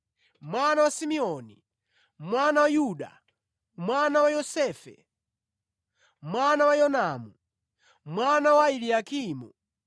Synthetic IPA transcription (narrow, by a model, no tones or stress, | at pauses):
mwanawasimiɔni | mwanawajuɗa̰ | mwanawajɔsɛːfɛ̰ | mwanawajɔnaːmu | mwanawailiakʰiːmu